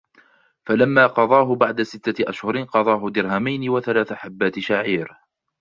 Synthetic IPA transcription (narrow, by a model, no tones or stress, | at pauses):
falamːaːqɑðˤɑːɦʊbaʕd̪asɪt̪ːaʔaʃhʊɾɪnqɑðˤɑːɦʊd̪ɪɾɦamajnɪwaθalaːθaħabːaːt̪ɪʃaʕʕiːɾ